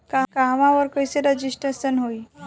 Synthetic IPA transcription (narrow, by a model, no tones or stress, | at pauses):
kakaɦʋãʋəɾkəjseɾəd͡ʑisʈɾesənɦoi